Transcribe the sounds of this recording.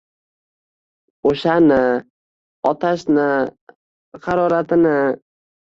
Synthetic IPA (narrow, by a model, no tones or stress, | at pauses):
oʃanɪ | ɒt̪ʰaʃnɪ | hɑɾɒɾat̪ʰɪnɪ